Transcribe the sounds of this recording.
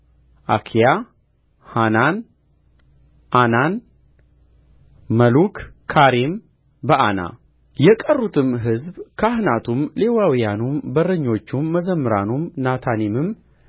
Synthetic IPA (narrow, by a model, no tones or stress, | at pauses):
ʔa̰kʰija | hanan | ʔanan | məlukʰːaɾim | bəʔana̰ | jɛkʼərːut̪ʰɨmɦɨzbkʰəahnat̪ʰumle̞wawijanumbərəɲːo̞t͡ʃːumːəzəmːɨɾanumnat̪ʰanimɨm